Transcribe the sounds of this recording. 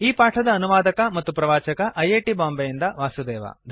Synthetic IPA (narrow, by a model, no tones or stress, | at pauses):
iːpaːʈʰɐd̪ɐːnuʋaːd̪ɐkɐmɐt̪ːupɾɐʋaːt͡ʃɐkɐʔɐjeːʈibaːmbɐjind̪ɐʋaːsud̪ɛːʋɐ̰d̪ʱ